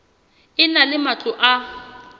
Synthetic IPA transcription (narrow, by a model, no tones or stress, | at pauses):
ɪnalɪmat͡ɬʼʊʔa